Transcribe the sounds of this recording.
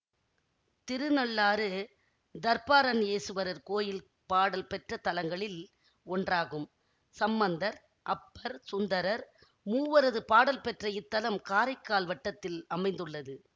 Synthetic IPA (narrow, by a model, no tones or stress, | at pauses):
t̪ɪɾɯnɐɭːaːɾɯ | d̪ɐɾpaːɾɐneːsɯʋɐɾɐɾkoːjɪl | paːɽɐlpɛʈrɐt̪ːɐlɐŋɡɐɭɪl | ɔndraːɣɯm | sɐmːɐnd̪ɐɾ | ʔɐpːɐɾsʊnd̪ɐɾɐɾ | muːʋɐɾɐðɯpaːɽɐlpɛʈrɐɪt̪ːɐlɐmkaːɾɐɪkːaːlʋɐʈːɐt̪ːɪlɐmɐɪnd̪ɯɭːɐðɯ